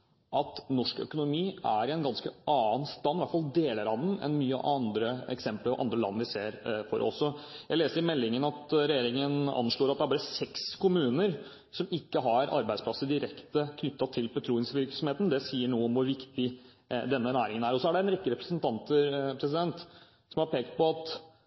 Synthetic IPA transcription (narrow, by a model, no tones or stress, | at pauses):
ʔɑt̪nɔʂkœ̰kʊnʊmiːʔæɾɪɛnɡɑnskəʔɑːənst̪ɑnːʋæʈfɑld̪eːləɾɑnənɛ̰nmyːə̰ɑnd̪ɾəɛ̰ksɛmpl̰ʔɑ̰nd̪ɾəlɑ̰nːʋɪseːɾfɔ̰ɾʔɔ̰sɔjæɪleːsəɾɪmɛlːɪŋənɑt̪ɾɛjeːɾɪŋənɑ̰nːʂɭoːɾɑt̪d̪ɛæbɑːɾəsɛkskʰʊmʉːnəɾ | sɔmɪkːəɦɑɾʔɑ̰ɾbæɪspʰlɑsːəd̪ɪɾɛkt̪əkʰnʏt̪ːɑt̪ʰɪlbət̪ʰɾuːɪŋsʋɪɾksɔmheːt̪n̩d̪ɛsiːəɳuːəɔmʋʊɾʋɪkt̪ɪ | d̪ɛnːənæːɾɪŋənæːɾɔsɔæɖɛɛnɾɛkːəɾɛpɾəsənt̪ʰɑnt̪əpʰɾɛsɪd̪ɛnt̪ | sɔmhɑɾpeːkt̪̚pɔɑt̪